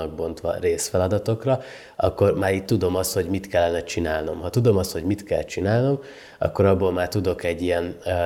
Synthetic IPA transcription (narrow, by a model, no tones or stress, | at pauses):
ɒɡ̚bo̞nt̪ʋɒ̰reːsfɛlɒd̪ɒt̪o̞krɒ | ɒkːo̞rmaːɾiːt̪ːud̪o̞mɒst̪ho̞ɟmit̪kɛlːɛnɛt͡ʃinaːlno̞mɦɒt̪ud̪o̞mɒst̪ho̞ɟmit̪kɛ̰lt͡ʃinaːlno̞m | ɒ̰kːo̞ɾɒbːoːlmaːrt̪ud̪o̞kɛɟːijɛn